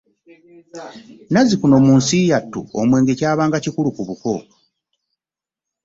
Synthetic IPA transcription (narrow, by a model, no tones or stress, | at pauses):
nazikuno̞muːnsijatːṵomwe̞ːŋɡe̞caːβaːŋɡacikulukuβuko̞